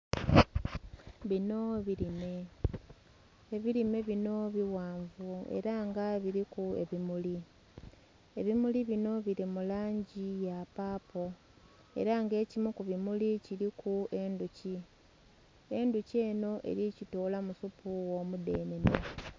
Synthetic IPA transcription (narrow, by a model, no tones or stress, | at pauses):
βino̞βiɾime̞ | eβiɾime̞βino̞βiwaːɱvue̞̰ɾaŋɡaβiɾikue̞βimuli | e̞βimuliβino̞βiɾimulaːɲɟijapaːpo̞ | e̞̰ɾaŋɡe̞ːcimukuβimuliciɾikue̞nduci | e̞nduce̞ːno̞ʔe̞̰ɾicitoːlamusupuwomude̞ːne̞ne